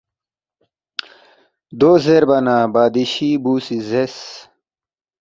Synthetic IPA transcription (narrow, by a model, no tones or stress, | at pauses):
d̪oːzeɾbɐnabaːd̪iɕibuːsizes